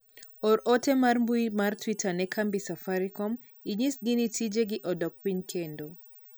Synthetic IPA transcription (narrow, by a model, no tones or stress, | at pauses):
ɔɾotɛmarmbuimartwitanɛkʰambisafaɾikɔm | iɲisɡinitʰid͡ʒeɡɪʔɔdɔk̚piɲkʰendo